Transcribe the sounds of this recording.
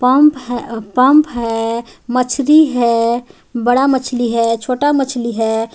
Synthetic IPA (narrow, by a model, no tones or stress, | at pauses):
pəmpɦpəmpɦɛmət͡ʃʰliɦɛ | bəɽamət͡ʃʰliɦɛt͡ʃʰoʈamət͡ʃʰliɦɛ